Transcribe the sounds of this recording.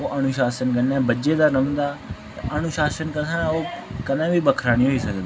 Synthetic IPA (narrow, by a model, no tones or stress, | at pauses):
oːʔənʊʃaːsənkənnɛːbəd͡ʒeːd̪aːnəmd̪aː | ʔənʊʃaːsənkət̪ãːoːkənãːbiːbəkʰɾaːniːɦoiːsəkd̪iː